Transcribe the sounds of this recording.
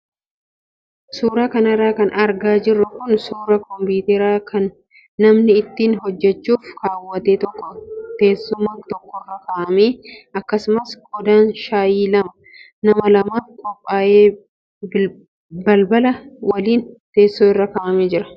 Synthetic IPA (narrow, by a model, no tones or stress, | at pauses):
suːɾaːkɐnɐrːaːkɐnɐɾɡaːd͡ʒɪrːʊkʊnsuːɾɐkɔmbuːt̪ɛɾaːkʰɐnː | ɐmnɪɪt̪ːiːnhɔd͡ʒːɛt͡ʃːuːfkaːwːɐt̪eːt̪ɔkːɔt̪e̞ːsːʊmaːkt̪ɔkːɔkɐkɐʔɐmeːɐkːɐsʊmɐskɔd̪aːnʃaːjiːlɐmɐ | nɐmɐlɐmaːfkʼɔpʼːaːʔeː | b | bɐlbɐlɐwɐliːnt̪e̞ːsːoːɪrːɐkɐʔɐmeːd͡ʒɪɾɐ̥